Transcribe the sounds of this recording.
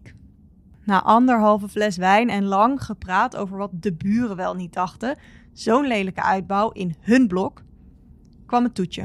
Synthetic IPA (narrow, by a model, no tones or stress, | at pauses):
na̰ːʔɑndəɹɦɑlˠvəvlɛsʋɛjnɛnlɑŋχəpraːto̰wvəɹʋɑt̚dəbyːrəʋɛlˠnit̚dɑχtə | z̥ownlejdləkəʔœɥd̚bɔwʔɪnɦɵnblɔk | kʋɑməntutə̰